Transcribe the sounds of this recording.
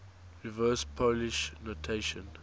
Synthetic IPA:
ɹivɜːspʰoliʃnotʰeʃɔ̃n

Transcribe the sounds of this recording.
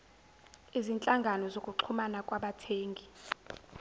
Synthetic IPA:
izint͡ɬʼaŋɡʱanɔzokʼuǃʰumanakʼwaɓatʰeːŋɡʱi

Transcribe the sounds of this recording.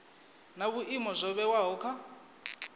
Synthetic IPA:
naβuʔimɔzʷɔβɛwaɦɔkʰa

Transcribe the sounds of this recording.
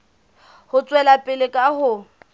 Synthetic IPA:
hʊt͡sʼwɛlapʼɪlɪkʼaɦʊ

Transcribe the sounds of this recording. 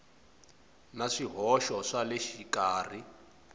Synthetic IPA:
naʂiɦɔʃɔʂaleʃikaːr̤i

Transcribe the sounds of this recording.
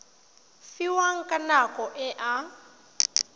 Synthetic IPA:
fiwaŋ̩kʼanakʼɔʔɛʔa

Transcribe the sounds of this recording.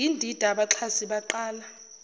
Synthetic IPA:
indʱid̥ʱaɓaǁʰasiɓaǃaːla

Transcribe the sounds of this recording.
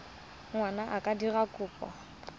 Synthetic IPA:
ŋwanaʔakʼadirakʼʊːpʼɔ̰

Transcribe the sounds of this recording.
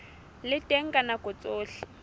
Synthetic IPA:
lɪtʼeŋ̩kʼanakɔt͡sʼoːɬɪ̥

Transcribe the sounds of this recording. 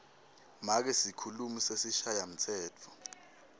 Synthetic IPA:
mak̬ɛsikʰulumisesiʃajam̩tʰɛːtʰɔ̥

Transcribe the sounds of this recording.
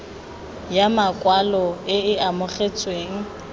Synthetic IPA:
jamakʼwalɔɪɪamʊχet͡sʼweːŋ̩

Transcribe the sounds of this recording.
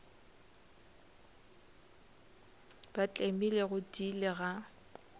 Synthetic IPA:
b̥at͡ɬʼemileɣʊdilɪɣa

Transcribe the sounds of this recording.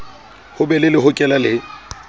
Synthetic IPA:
hʊbɛlɪlɪɦʊkʼɛlalɪ

